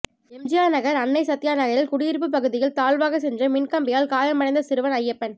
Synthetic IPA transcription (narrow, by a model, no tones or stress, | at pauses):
ɛmd͡ʒɪjaːnɐɣɐɾɐnːɐɪsɐt̪ːɪjaːnɐɣɐɾɪlkʊɽɪjɪɾp̬ːɯp̬ːɐɣɯðɪjɪlt̪aːlʋaːɣɐsɛndrɐmɪnkɐmbɪjaːlkaːjɐmːɐɽɐɪnd̪ɐsɪɾɯʋɐnɐjːɐpːɐn